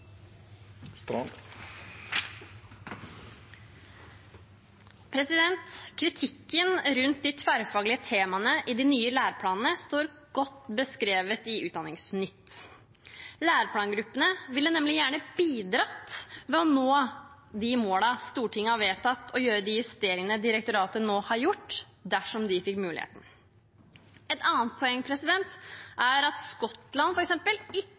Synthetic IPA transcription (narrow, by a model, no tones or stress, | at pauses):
st̪ | pʰɾɛsɪd̪ɛnt̪kʰɾɪt̪ʰɪkːənɾʉnt̪̚d̪ɪt̪ʰʋæɾfɑːɡlɪət̪ʰeːmɑnəʔɪd̪ɪnyːəlæːɾpʰlɑːnən̩əst̪oːɾ | ɡ̥ɔt̪ːbəskɾeːʋət̪ɪʉːt̪̚d̪ɑnɪŋsnʏt̪ː | læːɾpʰlɑːnɡɾʉpːənəʋɪlːənɛmlɪjæːɳəbiːd̪ɾɑt̪mɛɔnoː | d̪ɪmoːlɑst̪uːʈʰɪŋːəhɑɾʋeːt̪ʰɑt̪ːʰɔjøːɾəd̪ɪjʉst̪eːɾɪŋənəd̪ɪɾɛkt̪ʊɾɑːt̪ənoːhɑɾjʊʈː | d̪æʂɔmd̪ɪfɪkːmʉːlɪ̰hḛːt̪n̩ | ɛt̪ɑːnt̪̚pʰɔɛŋːəpʰɾɛsɪd̪ɛnt̪ʔæɾɑt̪skɔt̪lɑnfɔɾɛksɛmpəlɪ